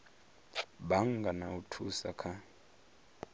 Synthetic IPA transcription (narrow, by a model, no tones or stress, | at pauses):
ɓaŋɡʱanautʰusa̰kʰa